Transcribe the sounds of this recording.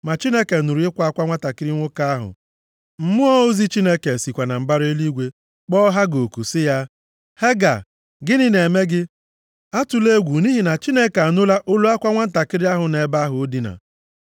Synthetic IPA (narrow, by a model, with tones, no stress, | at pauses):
ma˨t͡ʃi˦ne˦ke˨nu˨ɾu˨˦ɪ˦kʷa˦a˦kʷa˦ŋʷa˦ta˨kɪ˦ɾɪ˦ŋʷʊ˦ka˦a˦ɦʊ̰˨ | m̩˦mʊ˦ɔ˦o˦zi˦t͡ʃi˦ne˦ke˨si˨kʷa˨na˨m̩˨ba˦ɾe˦li˦ɡʷe˨ | k͡pɔ˦ɦa˦ɡo˨ku˨sɪ˦ja˦ | he˦ɡa̰˨ | ɡɪ˦nɪ˦ne˨me˦ɡɪ˦ | a˦tʊ˨le˦ɡʷu˨ni˦ɦi˨na˨t͡ʃi˦ne˦ka˨nʊ˦la˦ʔʊ˦lu˦a˦kʷa˦ŋʷa˦n̩˦ta˨kɪ˦ɾɪ˦a˦ɦʊ˨ne˨˦ba˦a˦ɦʊ˨o˦di˨na̰˨